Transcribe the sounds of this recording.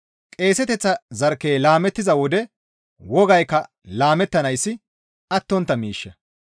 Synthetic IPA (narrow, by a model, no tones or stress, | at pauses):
kʼe̞ːsɛt̪ɛt͡sːɐzɐɾkːeːlaːmɛt̪ːɪzɐwɔd̪ɛ | wɔɡɐjkːɐ | laːmɛt̪ːɐnɐjsːɪ | ɐt̪ːɔnt̪ːɐmiːʃːɛ